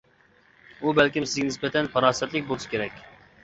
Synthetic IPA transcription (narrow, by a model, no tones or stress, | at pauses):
ubɛlkʲɪmsɪzɡʲɛnɪsbɛt̪ʰɛnpʰɑɾɑːsɛt̪lɪk̚ʲbolˠɨʃkʲʰeɾɛkʲ